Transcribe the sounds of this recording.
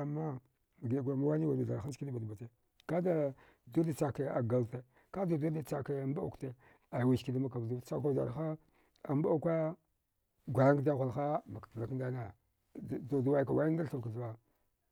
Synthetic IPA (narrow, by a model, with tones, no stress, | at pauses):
a˨ma˦˨ | ɡe˨ɡʷa˨ma˦wa˦ni˦wa˨a˨a˨ɾxa˦n˦ki˦di˦ba˨dba˨te˨ | ka˦da˨ | du˦da˨t͡sa˨ke˨a˨ɡa˨lte˨ | ka˦da˨du˦da˨t͡sa˨ke˨a˨mba˦ṵ˨kte˦˨ | a˨wi˨ʃki˨da˦ma˦ka˨du˦a˦ka˨a̰˨ɾxa˦ | a˨m˦ba˦a˦kʷa˦ | ɡʷa˨ɾa˦ŋ˦da˦ɣʷu˨lxa˦ma˨ka˨la˨˦kn˦da˦na˨ | do˨dwa˦˨ka˨wa˦i˦n˦da˦ɾɬu˨vka˨ɬwa˦